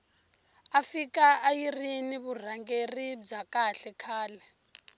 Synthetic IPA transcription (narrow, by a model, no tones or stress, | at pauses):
afikaajiriniβur̤aŋɡerib͡ʐakaɬɛkʰaːlɛ